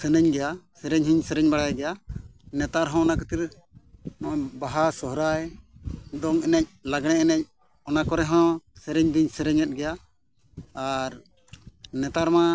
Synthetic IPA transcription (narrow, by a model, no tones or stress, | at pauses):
sɛnɛɲɡɛjasɛɾɛɲɦiɲsɛɾɛɲbaɽajɡɛjanɛt̪aɾɦɔ̃ɔnakət̪iɾ | nɔbaɦasɔɦɾaj | d̪ɔŋɛnɛc̚laɡɽ̃ɛɛnɛc̚ | ɔnakɔɾɛɦɔ̃sɛɾɛɲb̪iɲsɛɾɛɲɛt̪̚ˀɡɛjaː | ɾ | nɛt̪aɾma